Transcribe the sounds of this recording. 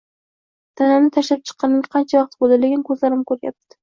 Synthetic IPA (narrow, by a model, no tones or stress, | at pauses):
t̪ʰananɪt̪ʰaʃlap̚t͡ʃʰɨ̥qʰːɑnɪŋʲqʰɑnt͡ʃʰavɑq̚t̪̚bolɪlɪɡʲɪnkʰɵzlaɾɪmkʰɵɾja̰p̚t̪ɪ̥